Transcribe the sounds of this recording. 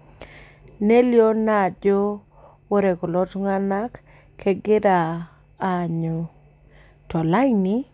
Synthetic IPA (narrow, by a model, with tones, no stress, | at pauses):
ne˦ljo˦na˨d͡ʒo˦ | wo˦ɾe˨kɔ˨lɔ˦tŋa˦na˦kʰː | e˦ɡɪ˦daː˨ | ɲo˨ | tɔ˨la˦inɪ˦